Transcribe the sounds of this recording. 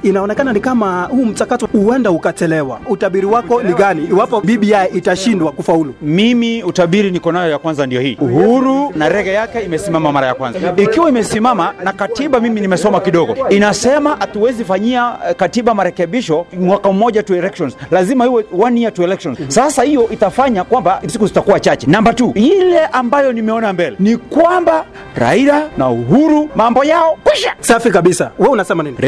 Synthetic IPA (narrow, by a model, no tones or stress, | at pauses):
inaɔnɛkananikamahuːm̩t͡ʃakatihuwɛndahukat͡ʃɛlɛwautaɓiɾiwakɔniɡaniːwapɔviɓiaɛʔitaʃindwakufaulumimiutaɓiɾinikɔnajɔjakwanzandijɔhiːuhuɾunaɾɛɣɛjakɛimɛsimamamaɾajakwanzaikiwaimɛsimamanakatiɓamiminimɛsɔmakiɗɔɡɔinasɛmahatuwɛzifaɲiakatiɓamaɾɛkɛɓiʃɔmwakaumɔʄatuɛlɛkʃɔnzlazimahiwɛwanijatuɛlɛkʃɔnzsasahijɔʔitafaɲakwambasikuzitakuwat͡ʃat͡ʃɛnambatujilɛʔambajɔnimɛɔnambɛlɛnikwamba | ɾa̰iɾanauɦuɾumambɔjaɔkwiʃasafikaɓisawɛunasɛma